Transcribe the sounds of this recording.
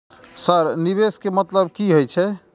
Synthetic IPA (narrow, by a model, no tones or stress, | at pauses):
səɾnibeskemət̪ləb̚kiɦojt͡ʃʰɛ